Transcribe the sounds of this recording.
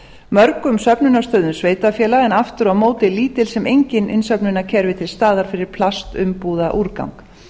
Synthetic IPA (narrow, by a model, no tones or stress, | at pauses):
mœɾkʏmsœpnʏnast̪œːɥðʏnsveːjt̪afjɛːlaɛnaft̪ʏɾawmoːwt̪ɪliːt̪ɪlsɛmejɲcɪnɪnsœpnʏnacʰɛɾvɪt̪ʰɪlst̪aːðaɾ̥fɪɾɪɾ̥pʰlast̪ʏmpuːðaʔuɾka̰wŋk